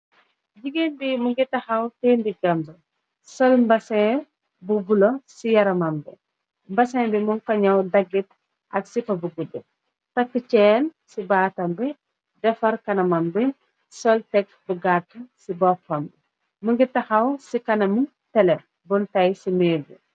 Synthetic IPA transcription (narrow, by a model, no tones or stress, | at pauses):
ɟiɡenbimuŋɡitːɐxɐwteːndiɡɐmbɐ | sɔlmbɐsɛ̃ | bubulosijɐɾɐmɐmbɛ̰ | mbɐsɛ̃ːbimuŋkɐɲɐwdɐɡːit̚ | ʔɐksipɐbuɡudːu | tɐkːət͡ʃɛːnsibaːtɐmbɛ | dɛfɐɾkɐnɐmɐmbɛ | sɔltɛk̚ | buɡatːɐsibɔpɐmbɛ | muŋɡitːɐxɐwsikɐnɐmi | tɛlɛ | bɔntɐjsimeːbi